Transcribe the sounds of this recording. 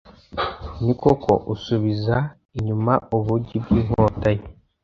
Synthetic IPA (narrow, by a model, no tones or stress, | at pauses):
nikokʰo̞̰ʔusuβiza | iɲumaʔoβuɟibɡiːŋ̥oːtaje